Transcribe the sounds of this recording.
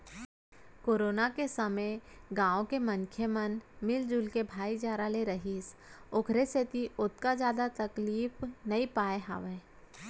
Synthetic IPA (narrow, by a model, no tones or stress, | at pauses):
koːɾoːnakesɐməɡãːõkemə̃ŋkʰjəmənmɪld͡ʒʊlkebʱaːid͡ʒaːɾaleɾɐɦiːs | ʊkʰɾeset̪iʔʊt̪kad͡ʒjaːd̪at̪ɐkliːfnɐipaːeɦa̰ːʋẽː